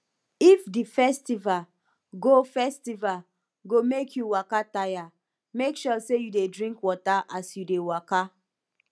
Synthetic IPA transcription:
ifdifɛstival | ɡofɛstival | ɡomekʰjuwakataja | mekʃɔsejudedɹĩŋkwɔtaʔasjudewaka

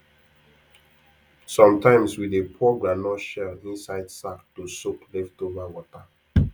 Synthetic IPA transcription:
sɔ̃mtʰãɪ̃mswidepʰɔɡɹanɔʃɛlĩnsaɪdsaktusoklɛftovawɔta

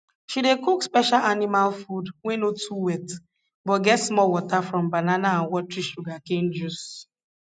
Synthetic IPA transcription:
ʃidekukspɛʃalanimalfudwenotʰuwɛt | bɔtɡɛtsmɔwɔtafɾɔ̃mbananaãnwɔtɹiʃuɡakend͡ʒus

